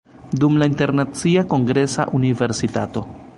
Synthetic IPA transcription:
dumlainteɾnat͡siako̞ŋɡɾe̞sa̰ʔunive̞ɾsitato̞

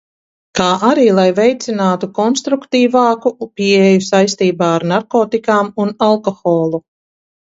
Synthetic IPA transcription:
kaːʔaɾiːlˠajvɛjt̪sinaːt̪ukɔnst̪ɾukt̪iːvaːkupʲiejusajst̪iːbaːaɾnaɾkoːt̪ikaːmunalˠkɔxɔːlˠu

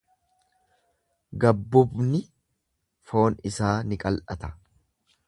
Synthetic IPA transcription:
ɡɐbːʊbnɪ | fo̞ːnɪsaːnɪkʼɐlʔɐt̪ɐ̥

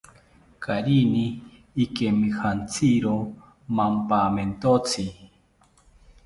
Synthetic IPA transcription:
kaɾiniː | kemihant͡sʰiɾo | mampament̪ot͡sʰi

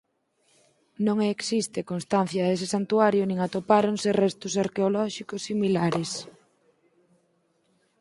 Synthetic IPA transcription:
nõŋeksist̪ekonst̪anθjɐðesesant̪uaɾjʊnĩŋat̪opaɾoŋserɛst̪ʊsaɾkeolɔʃikʊsːimilaɾes

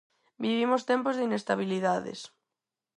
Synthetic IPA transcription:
biβimost̪ɛmpozðinest̪aβiliðaðḛs

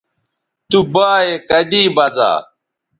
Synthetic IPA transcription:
t̪ubaːekəd̪iːbɐza̰ː

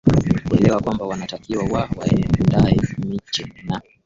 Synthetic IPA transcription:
kuɛlɛwakwambawanatakiwawawa̰ɛndaɛmit͡ʃɛna

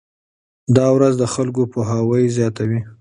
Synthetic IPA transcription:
d̪ɑwɾazd̪əxalk̬opoɦawəjzjɑt̪awi

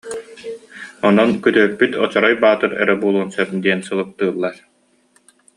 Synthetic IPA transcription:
ɔnɔnkyt̪œːpːyt̪ʰɔt͡ɕɔɾɔjbaːt̪ɯɾɛ̰ɾɛbuːlˠuːnsœp̚d̪iɛnsɯlˠɯk̚t̪ɯːlˠːaɾ

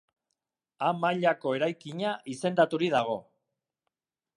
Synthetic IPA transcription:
amaʎako̞e̞ɾajkiɲaʔise̞nd̪at̪uɾiðaɣ̞o̞

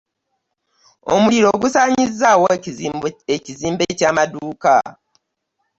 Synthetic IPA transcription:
o̰muliɾo̞ːɡusaːɲizːawo | eciziːmbecaːmaduuːka̰

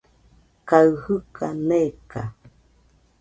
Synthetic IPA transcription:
kaɰhɯkʰaneka

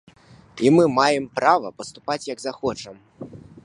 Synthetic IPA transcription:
imɨmajɛmpɾavɐ̰pɐst̪upat͡sʲjɐɡzaxɔt͡ʂɐm

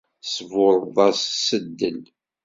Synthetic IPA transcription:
svʊɾˤðˤɑssəd̪ːəl

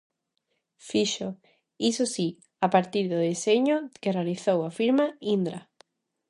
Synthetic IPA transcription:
fiʃo | isosi | apaɾt̪iɾðʊðeseɲokerealiθowafiɾmaind̪ɾa

